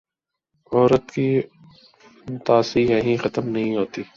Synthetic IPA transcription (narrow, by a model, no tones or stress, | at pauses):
ɔːɾət̪ki | t̪aːsijɐɦĩxɐt̪əmnɐɦĩɦoːt̪iː